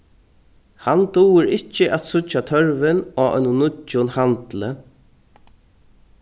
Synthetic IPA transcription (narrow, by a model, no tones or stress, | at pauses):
hant̪uːɪɾɪt͡ʃːəʔat̪sʊt͡ʃːat̪ʰœɹvɪnaːœ̰nʊnʊt͡ʃːʊnhant̪lə